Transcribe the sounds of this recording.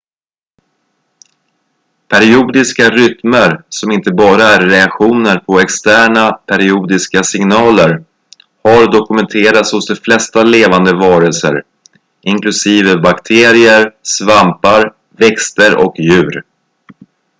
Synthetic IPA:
pʰæɾɪuːd̪ɪskaɾʏt̪məɾsɔmɪnt̪əbɑːɾaæɾːɛakɧuːnəɾpʰɔɛkst̪æːɳapʰæɾɪuːd̪ɪskasɪŋnɑːləɾ | haɾd̪ɔkɵmɛnt̪ʰeːɾat̪shʊsd̪ɛflɛst̪aleːvand̪əvɑːɾəlsə̰ɾ | ʔɪŋklɵsiːvəbakt̪ʰeːɾɪəɾsvampaɾ | vɛkst̪əɾʔɔ̰kjʉ̟ːɾ

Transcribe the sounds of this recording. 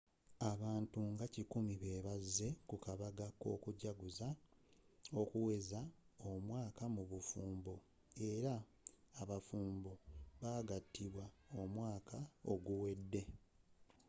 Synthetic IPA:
aβaːntuŋɡacikumiβe̞ːβazːe̞kukaβaɡako̞̰ːkuɟaɡuza | o̞kuwe̞zao̞mwaːkamuβufuːmbo | e̞ɾaː | βafuːmboβaːɡatːiβwa | o̞mwaːkʰao̞ɡuwe̞dːe̞

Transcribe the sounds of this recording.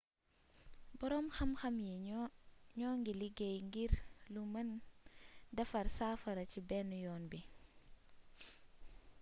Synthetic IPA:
bɔɾɔmxɐmxɐmjɛ | ɲɔːŋɡiliɡɛjŋɡiɾlumɐn | dɐfɐɾsaːfɐɾɐcibɛnujɔːnbi

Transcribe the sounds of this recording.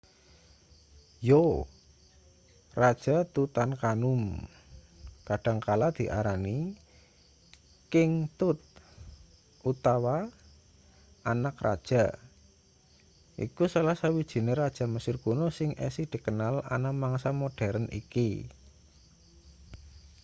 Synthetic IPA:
jo | rad̥ʒ̥a̤t̪ut̪ankanʊm | kaɖ̥a̤ŋkalad̪̥i̤ʔaɾani | kɪŋt̪ʊt̪̚ | ʔut̪awa | anakra̰d̥ʒ̥a̤ | ʔḭkusalahsawid̥ʒ̥i̤neɾad̥ʒ̥a̤məsɪrɡ̥onosɪŋʔɛ̰sid̪̥i̤kənala̰namaŋsamoɖ̥ɛɾənʔḭki

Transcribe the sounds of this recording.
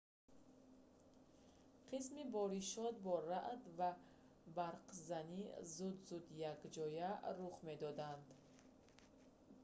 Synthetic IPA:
qʰismibɔɾiʃɔt̪̚bɔɾaʔd̪va | baɾqzanizud̪zud̪jakd͡ʒɔjaɾuχme̞d̪ɔd̪and̪

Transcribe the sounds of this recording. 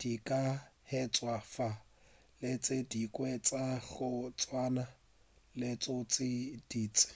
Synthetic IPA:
d̥ikʼahɛt͡sʼwafa | let͡sʼɪdikʼwɛt͡sʼaɣʊt͡sʼwaːna | lɪt͡sʼʊt͡sʼɪd̥iːt͡sʼɪ̥

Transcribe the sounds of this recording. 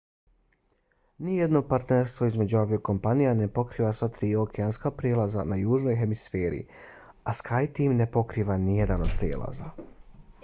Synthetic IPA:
nijed̪no̞paɾt̪neɾst̪ʋo̞izme̞d͡ʑuabjoko̞mpanijane̞po̞kɾiːʋasʋat̪ɾiːo̞kʰeanskapɾjelˠaza̰najuːʒno̞jɦe̞misfeːɾḭ | askʰajt̪iːmne̞po̞kɾiːʋanijed̪ano̞d̪pɾjeːlˠʔa̰za̰

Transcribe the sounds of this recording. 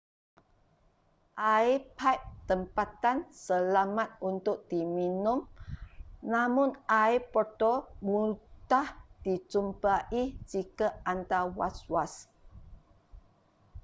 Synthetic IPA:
ʔaipʰap̚t̪əmpat̪ansəlamãt̪̚unt̪ʊk̚d̥iminʊ̃m | nãmʊ̃naipɔt̪omutahd̥it͡ʃumpaʔid͡ʒikaant̪awa̰swas

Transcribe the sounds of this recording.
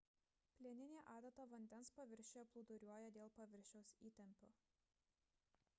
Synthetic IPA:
pʲlʲeːnʲɪnʲeːʔɑːd̪ɐt̪ɐʋɐnʲd̪ʲɛnspɐʋʲɪɾʲʃʲeɐplˠʊd̪ʊɾʲuɔjɛd̪ʲeːlˠpɐʋʲɪɾʲʃʲɛʊsiːt̪ʲɛmʲpʲo

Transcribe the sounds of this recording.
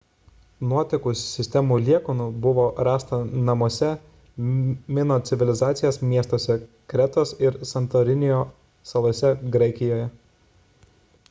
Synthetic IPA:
nuɔt̪ʲɪkʊssʲɪsʲt̪ʲɛmuːlʲiɛkoːnuːbʊʋoːɾɑːst̪ɐnɐmuɔsʲɛ | mʲɪnoːt̪sʲɪʋʲɪlʲɪzɑːt̪sʲɪjoːsmʲiɛst̪oːsʲɛ | kɾʲɛt̪oːsɪɾsɐnt̪oɾʲɪnʲɪjoː | sɐlˠɔːsʲɛɡɾɐɪkʲɪjoːjɛ

